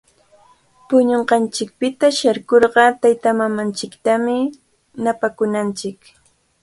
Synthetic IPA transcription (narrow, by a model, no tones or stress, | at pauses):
pʊɲoɴɢɑnt͡ʃɪk̚pɪt̪aʃaɾkoɾɢɑt̪ajt̪amamant͡ʃɪkt̪amɪ | napakʊnant͡ʃɪk